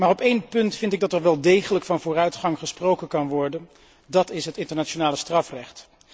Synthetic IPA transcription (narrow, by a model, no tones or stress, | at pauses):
maːrɔpejnpɵntfɪntɪɡ̚dɑtɛɹʋɛlˠdejχələkfɑnvʊːrœɥtχɑŋχəsprowkənkɑnʋɔɹdən | dɑtɪsɦətɪntəɹnaːt͡ʃonaːləstrɑfrɛχt